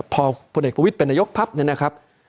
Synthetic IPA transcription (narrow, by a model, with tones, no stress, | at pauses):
pʰɔː˧pʰo˧nʔe˨˩k̚ʰa˧˦i˦˥t̪̚pe˧nːaː˧jo˦˥k̚pʰa˦˥p̚na˥˩na˦˥kʰa˦˥p̚